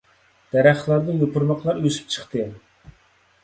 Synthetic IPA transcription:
d̪̥æɾæχlˠɑɾd̪ɨjopʰʊɾmɑqlˠɑɾøsy̥p̚t͡ʃʰə̥χt̪ɨ

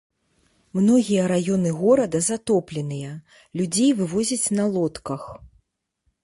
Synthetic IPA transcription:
mnɔɣʲijɐɾajɔnɨɣɔɾɐd̪ɐzat̪ɔplʲɛnɨjɐ | lʲud͡zʲejvɨvɔzʲɐt͡sʲnɐlˠɔt̪kɐx

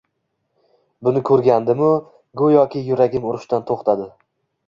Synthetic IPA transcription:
bʊnɪkʰɵɾɡʲand̪ɪmʊ | ɡʊjɒkʲʰɪjʊɾaɡʲɪmʊɾɪʃt̪ant̪ʰoχt̪ʰad̪ɪ

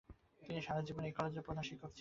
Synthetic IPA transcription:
t̪iniʃaɾad͡ʑibonekɔled͡ʑepɾod̪ʱaʃikʰːokt͡ɕʰ

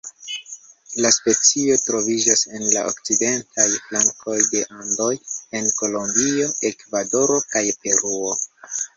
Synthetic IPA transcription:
laspe̞t͡sio̞tɾo̞vid͡ʒase̞nlaʔo̰kt͡side̞ntʰajflaŋko̞jde̞ʔando̞je̞nko̞lo̞mbio̞e̞kvado̞ɾo̞kajpe̞ɾuo

